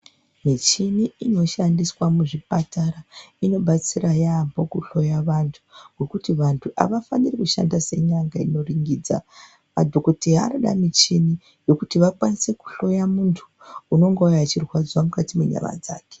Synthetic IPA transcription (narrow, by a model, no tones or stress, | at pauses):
mit͡ʃiniino̞ʃandiswamuʐipataɾaino̞ɓat͡sirajambo̞kuɬo̞jaʋantʰu̥ɡwe̞kutiʋantʰuʔa̰ʋafanirikuʃa̰ndase̞ɲaŋɡaino̞riŋɡid͡za̰ | ma̰dʱukutiɦa̰noɗa̰mit͡ʃini | jo̞kutiʋakwanise̞ku̥ɬo̞jamuntʰu̥ | uno̞ŋɡoujat͡ʃirwad͡zwamukatimeɲa̰ʋa̰d͡za̰ːke̥